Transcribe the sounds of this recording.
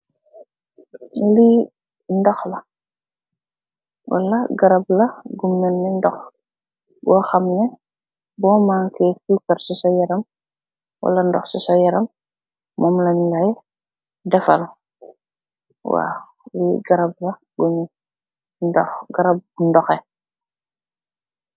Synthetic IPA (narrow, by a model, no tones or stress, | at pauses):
li | ndɔxlɐ | wʔa̰lːɐɡɐɾɐblɐɡumːɛnːɛndɔx | ɡɔxɐmnɛ | bɔːmaːŋkɛkukɐɾsisajɛɾɐm | wa̰lɐndɔ̰xsisɔjɛɾɐm | mɔmlɐnlaj | dɛfɐ̰l | wa̰ | wiɡɐɾɐb̚lɐɡuni | ndɔxɡɐɾab̚ndɔxɛ